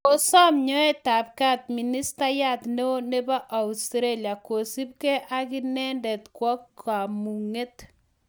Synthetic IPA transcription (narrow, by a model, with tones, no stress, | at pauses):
o˨sɔ˦mɲɔ˦ɛ˦ta˨p̚ka˦t̚mi˨ni˦sta˦ja˦tno˦ne˦ba˦ʔa˨ustɾe˦lja˨ko˨si˦p̚kɛ˦ʔa˦ki˦nɛ˦ndɛ˨tkwɔ˦kːa˨mu˨ŋe˦t